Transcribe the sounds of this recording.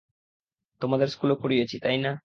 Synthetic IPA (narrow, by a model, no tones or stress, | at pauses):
t̪omad̪eɾskulokoɾijet͡ɕʰit̪ajna